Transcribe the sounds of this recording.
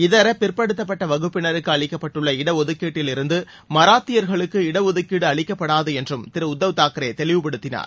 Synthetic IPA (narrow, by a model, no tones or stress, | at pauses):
ɪðɐɾɐpɪrpɐɽɯt̪ːɐpːɐʈːɐʋɐɣɯpːɪnɐɾɯkːɯɐɭɪkːɐpːɐʈːɯɭːɐɪɽɐɔðɯkːiːʈːɪlɪɾɯnd̪ɯ | mɐɾaːt̪ːɪjɐɾɣɐɭɯkːɯɪɽɐɔðɯkːiːɽɯɐɭɪkːɐpːɐɽaːðɯɛndrɯmt̪ɪɾɯʊd̪ːɐʋɯt̪ːaːkɪɾeːt̪ɛɭɪʋɯpɐɽɯt̪ːɪna̰ːɾ